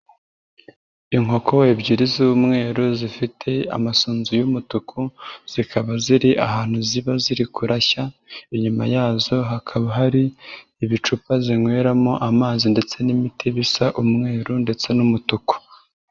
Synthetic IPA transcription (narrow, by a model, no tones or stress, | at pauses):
iŋo̞ko̞ebɟiɾizuβumŋe̞ːɾuzifitʰe̞a̰masuːnzujumutukʰuz̥ikʰaβaziɾiʔa̰haːn̥huziβaziɾikuɾaçaiɲuma̰jaːzo̞ɦakʰaβaɦaɾiː | βit͡ʃupaziŋwe̞ɾamoʔamaːzinde̞t͡se̞nimitʰiβisaʔumŋe̞ːɾunde̞t͡se̞numutuku̥